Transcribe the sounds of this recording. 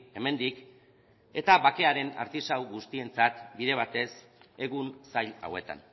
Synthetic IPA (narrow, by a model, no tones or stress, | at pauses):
e̞me̞nd̪ik | e̞t̪aβake̞aɾe̞na̰ɾt̪isawɣust̪ie̞nt͡sat̪biðe̞β̞at̪e̞s | e̞ɣunsajʎla̰we̞t̪a̰n